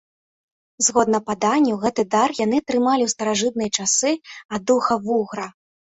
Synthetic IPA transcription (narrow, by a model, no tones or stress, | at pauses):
zɣɔd̪̚nɐpad̪anʲːuwɣɛt̪ɨd̪arjanɨt̪ɾɨmalʲiwst̪ɐɾaʐɨt̪̚nɨjɐt͡ʂasɨad̪uxɐvuɣɾɐ